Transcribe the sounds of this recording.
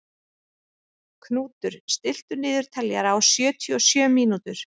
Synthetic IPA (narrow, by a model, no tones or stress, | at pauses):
kʰnuːt̪ʏɾ̥st̪ɪl̥t̪ʏnɪːðʏɾ̥t̪ʰaljaɾawsjœːt̪ʰiɔsjœːmiːnut̪ʏɾ̥